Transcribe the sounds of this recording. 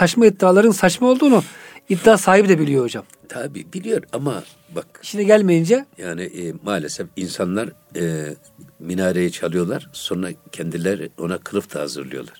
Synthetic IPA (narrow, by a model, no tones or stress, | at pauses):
at͡ʃmaid̪ːaːlˠaɾɯnsat͡ʃmao̞lˠd̪uːnuid̪ːaːsaːɦibd̪ɛbilʲijo̞od͡ʒam | t̪ʰabḭːbilʲijo̞ɾama̰ | bak̚iʃinɛɟælʲmejind͡ʒɛjaːniʔmaːlʲesɛfinsanlˠaɾ | minaːɾejit͡ʃʰalˠɯjo̞lˠaɾ̥so̞nɾa̰cʰɛnd̪ilʲæɾo̞̰nakʰɯlˠɯft̪ʰaha̰zɯ̰ɾlˠɯ̰jo̞̰lˠaɾ̥